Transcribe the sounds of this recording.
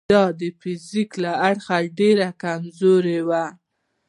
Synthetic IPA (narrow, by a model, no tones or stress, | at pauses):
ɑd̪əfiziklaaɽxaɖeɾakamzoɾewa